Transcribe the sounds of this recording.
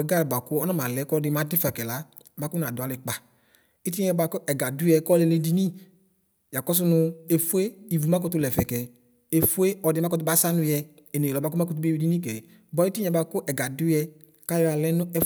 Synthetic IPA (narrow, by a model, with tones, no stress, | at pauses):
ɛ˨ɡa˦lba˨kʊ˦ɔ˦nɔ˦ma˨lɛ˨˦kɔ˦dɪ˧˦ma˨˦dɪ˦fa˨kɛ˨la˨˦ | ma˦kʊ˦n˨a˨dʊ˨a˨lɪ˨k͡pa˨ | i˦ti˦ɲɛ˧ba˧kʊ˦ʔɛ˨ɡa˨dʊ˦ɛ˧˨kɔ˦lɛ˧le˧di˨ni˦ | ja˨kɔ˦s̬ʊ˦nʊ˧e˨fʊ˦e˦i˨vu˨ma˦kɔ˧tʊ˧lɛ˨fɛ˨kɛ˨ | e˨fʊ˦e˦ɔ˨˧dɪ˧ma˦kɔ˦t̬ʊ˦ba˦sa˦nʊ˧jɛ˧ | e˨ne˨lɔ˨ba˨k̬ʊ˦ma˦kt̬u˦bi˧di˦ni˦k̬ɛ˨ | bɔ˨˦i˦ti˦ɲɛ˨ba˧kʊ˦ʔɛ˨ɡa˨dʊ˦ɛ˧ | ka˦ja˨lɛ˦nʊ˦ɛ˦